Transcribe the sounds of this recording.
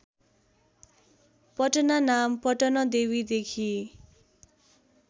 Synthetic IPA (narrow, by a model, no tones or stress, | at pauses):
pʌʈʌnanampʌʈʌnʌd̪ewid̪ekʰi